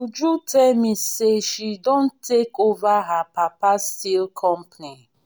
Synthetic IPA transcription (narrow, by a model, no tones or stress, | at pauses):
d͡ʒutʰɛmiseʃidõn̩tekovaɦapapastilkʰɔmpni